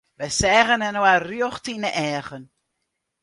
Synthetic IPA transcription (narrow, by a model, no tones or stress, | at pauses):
ʋəsɛːɣənɛnoaryɔχtinəʔɛːɣən